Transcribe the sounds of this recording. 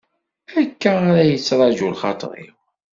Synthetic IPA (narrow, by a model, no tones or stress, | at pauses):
ækːæaɾæjət͡sːɾˤɑʒulχɑ̰t̪ˤə̰ɾˤḭ